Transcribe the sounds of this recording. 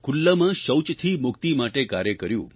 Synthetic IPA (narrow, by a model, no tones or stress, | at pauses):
kʰulːəmãʃəwt͡ʃt̪ʰimʊkt̪imaʈekaɾjəkəɾjṵ̃